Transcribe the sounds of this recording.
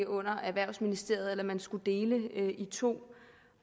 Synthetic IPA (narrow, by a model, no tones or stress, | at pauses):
ɔ̽n̰ɐʔæʋæɐ̰sminisd̥e̝̰ɐ̰ð̩ˠelɐmænsɡ̥ud̥e̝ːləit͡sʰo̝̰ː